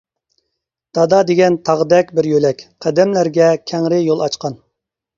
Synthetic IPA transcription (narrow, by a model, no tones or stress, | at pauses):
d̪̥ɑd̪ɑd̪eɡʲɛnt̪ʰɑʁd̪ɛkʲbɪɾjølɛkʲqʰæd̪ɛmlæɾɡʲɛkʲʰɛŋɾɪjolˠɑt͡ʃqɑn